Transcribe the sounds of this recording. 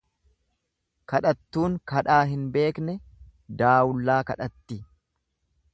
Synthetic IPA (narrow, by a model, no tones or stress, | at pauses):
kɐᶑɐt̪ːuːŋkɐᶑaːɦɪnbe̞ːknɛ | d̪aːwʊlːaːkɐᶑɐt̪ːi